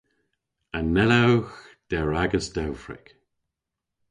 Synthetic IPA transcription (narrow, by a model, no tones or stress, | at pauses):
ənɛləwxd̪̥ɛɹaɡəsd̥ɛwfɹɪ̰k